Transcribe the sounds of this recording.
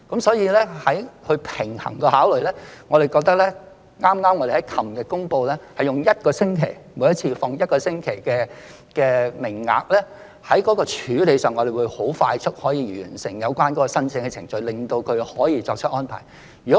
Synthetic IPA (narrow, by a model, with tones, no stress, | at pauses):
kɐ˨˥msɔː˨˥jiː˨˧lɛː˥hɐ˨˥jhɵ˧ɥpʰɪ˨˩ŋhɐ̰˨˩ŋkɛ˧ɦaː˨˥wlɵ˨ɥlɛː˥ŋɔː˨˧ɾe˨˩jkɔː˧k̚t̪ɐ˥k̚lɛ˥ | ŋaː˥mŋaː˥mŋɔː˨˧d̪e˨˩hɐ˨˦jkʰɐ˨˩mkɛː˧kʊ˥ŋpo˧wlɛː˥hɐ˨jʊ˨ŋjɐ˥t̚kɔː˧sɪ˥ŋkʰe˨˩jmu˨˧jɐ˥t̚t͡sʰiː˧fɔː˨˧ŋjɐ˥t̚kɔː˧sɪ˥ŋkʰe˨˩jkɛː˧ | kɛː˧mɪ˨˩ŋːa̰ː˨k̚lɛː˥ | hɐ˨˥jkɔ˨˥kɔː˧t͡ʃʰyː˨˥le˨˧jsœː˨ŋɔː˨˧d̪e˨˩wuː˨˧jho˨˥wfaː˧jt͡ʃʰɵ˥t̚hɔː˨˥jiː˧jy̰ː˨˩nsɪ˨˩ŋjɐ˨˧wkʷaː˥nkɔ˨˥kɔː˧sɐ˥nt͡sɪ˧ŋkɛ˧t͡sʰɪ̰˨˩ŋt͡ʃɵ˧ɥlɪ˨˩ŋt̪o˧wkʰɵ˨˧ɥhɔː˨˥jiː˧t͡sɔː˧k̚t͡ʃʰə˥t̚ʔɔː˥npʰa̰ː˨˩j | jy˨˩kɔ˨˦